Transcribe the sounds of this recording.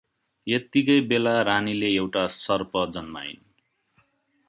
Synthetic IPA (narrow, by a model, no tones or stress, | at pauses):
jʌt̪ikʌjbelaɾanileewʈasʌrpʌd͡zʌnma̰j̰n